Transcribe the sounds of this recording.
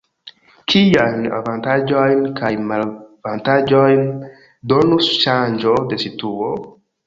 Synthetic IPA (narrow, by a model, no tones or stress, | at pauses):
kʰiajna̰vantad͡ʒojnkʰajmalvantad͡ʒojn | donusʃand͡ʒode̞situo